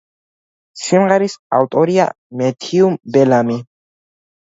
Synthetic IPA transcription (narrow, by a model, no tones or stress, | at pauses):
simʁɛɾisa̰ft̪ʼɔɾia̰ | mɛt̪ʰiumbɛlami